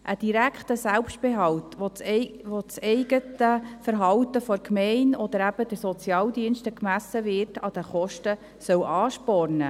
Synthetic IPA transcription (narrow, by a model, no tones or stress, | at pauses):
ʔəd̥iɾækχt̪əsælpʃt̚b̥eɦɑwtʋoʋot͡sɛɪɡətəfəɾɦɑwtəfɔɾkmɛɪnɔd̪əɾæb̥əd̥̪əɾsɔt͡sjɑːldiənʃtəkmæsəvɪtɑd̥̪əχɔʃtə | sœwʔɑːʃpɔrnə